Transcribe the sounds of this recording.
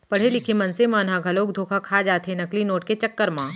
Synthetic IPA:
pɐɽ̤elɪkʰemɐnsemãːnɦãɡʱɐloːkd̪ʱoːkʰakʰaːd͡ʒaːt̪ɦẽnɐklinoːʈ̚ket͡ʃɐkːəɾmãː

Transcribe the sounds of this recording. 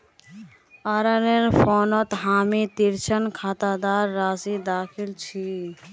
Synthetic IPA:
aɾəneɾpʰonɔt̪ɦaːmit̪iɾt͡ʃʰənkʰat̪ad̪aɾːaːzid̪aːkʰilt͡ʃʰi

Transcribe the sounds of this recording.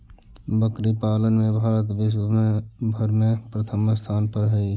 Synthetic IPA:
bəkɾipaːlənmẽbʱaːɾət̪ʋɪʃ̬wəmẽbʱəɾmẽpɾət̪ʰəmst̪ʰaːnpəɾɦəi

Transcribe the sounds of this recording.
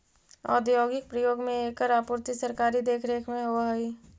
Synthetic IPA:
ɔ̰ːd̪joːɡɪk̚pɾəjoːɡmẽeːkəɾaːpuːɾt̪isəɾkaːɾid̪eːkʰɾeːkʰmẽɦoɦi

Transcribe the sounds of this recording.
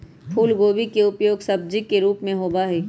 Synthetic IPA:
pʰuːlɡoːbikeʊpjoːɡsɐb̚d͡ʒikːeɾuːpmẽɦoːbaɦɛː

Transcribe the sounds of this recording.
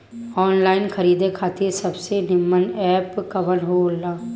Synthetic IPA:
ɔːnlaːɪnkʰɐɾiːd̪ekʰaːt̪ʰesɐbsenɪmːənɛːpkɐʋənɦolːaː

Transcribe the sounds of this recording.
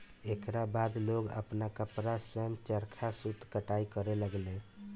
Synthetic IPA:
ekɾabad̪loɡə̰pnakəpɾasɾɛmt͡ʃəɾkʰasut̪kəʈaikəɾeləɡle

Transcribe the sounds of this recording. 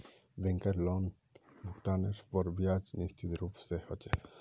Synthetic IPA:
bẽŋkəɾlɔn | bʱʊkt̪aːneɾpɔɾbijaːd͡ʒnist͡ʃʰit̪ɾuːpsehɔt͡ʃe

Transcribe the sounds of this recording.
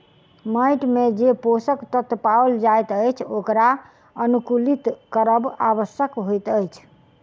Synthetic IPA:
məjʈmed͡ʒeposəkt̪ət̪pawld͡ʒajt̪əjt͡ʃʰokɾa | ənukulit̪kəɾəbaʋəsjəkɦojt̪əjt͡ʃʰ

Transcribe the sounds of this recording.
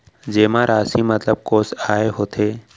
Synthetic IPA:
d͡ʒeːmãɾʔaːsimət̪ləb̚koːsaːeɦoːt̪ʰeː

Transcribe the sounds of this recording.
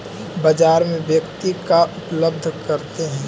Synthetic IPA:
bɐd͡ʒaːɾmẽʋjəkt̪ikaʔʊpləb̚d̪ʱkɐɾt̪eɦɛ̃ː

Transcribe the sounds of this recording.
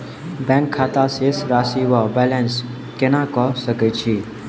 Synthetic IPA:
bɛ̃ŋkʰːaːt̪asesɾaːsiwɔbɛːlɛ̃ns | kenãːkɔsəkət͡ʃʰiː

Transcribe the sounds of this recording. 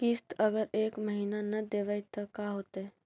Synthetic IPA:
kɪst̪əɡəɾeːkməɦiːnanɐd̪eːʋəjt̪ɐkaːɦoːt̪ɦɛ̃ː

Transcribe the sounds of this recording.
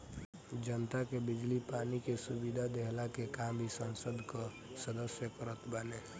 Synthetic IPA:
d͡ʒənt̪akebɪd͡ʒlipanikesubid̪ʱad̪eɦlakekambʱisənsəd̪ʱkɔ | səd̪əsjəkəɾət̪bəne

